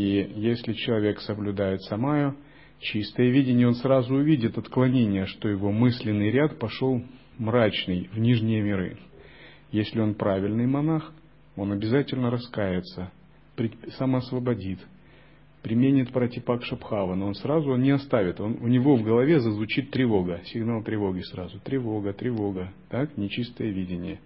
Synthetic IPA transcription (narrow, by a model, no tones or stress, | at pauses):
ijesʲlʲɪt͡ɕɪlˠɐvʲe̞ksəblʲʊd̪ajɪt̪sɐmajʊ | t͡ɕist̪əjəvʲidʲɪnʲɪjəo̞nsrazʊʊvʲidʲɪt̪ɐt̪klˠɐnʲenʲɪjəʂt̪ojɪvo̞mɨsʲlʲɪnːɨjɾʲat̪pɐʂo̞lˠ | mɾat͡ɕnɨjvnʲiʐnʲɪjəmʲɪɾɨ̰ | jesʲlʲɪo̞npɾavʲɪlʲnɨjmɐnax | o̞nɐbʲɪzatʲɪlʲnəɾɐskajɪt̪sə | pɾʲɪsəməːsvəbɐdʲit̪ | pɾʲɪmʲenʲɪt̪pɾətʲɪpakʂɐpxavənoonsrazʊonnʲɪɐst̪avʲɪt̪o̞nʊnʲɪvo̞vɡəlˠɐvʲezəzvʊt͡ɕit̪ːɾʲɪvo̞ɡəsʲɪɡnalˠt̪ɾʲɪvo̞ɡʲɪsɾazʊt̪ɾʲɪvo̞ɡət̪ɾʲɪvo̞ɡət̪aknʲɪt͡ɕist̪əjəvʲidʲɪnʲɪjə